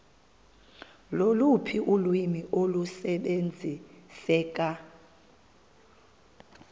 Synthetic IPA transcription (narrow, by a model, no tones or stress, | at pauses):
lolupʰiʔulwimiʔolusɛɓend͡zʱisɛːk̬ʼa